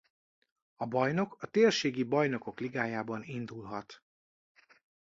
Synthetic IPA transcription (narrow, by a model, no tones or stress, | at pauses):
ɒbɒjno̞kɒt̪eːrʃeːɡibɒjno̞ko̞kliɡaːjaːbɒnind̪ulɦɒt̪